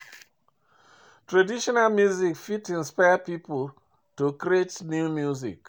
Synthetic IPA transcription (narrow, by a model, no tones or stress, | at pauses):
tɹadiʃɔnalmjuzikfitĩnspaɪapipu | tukɾietnjumjuzḭk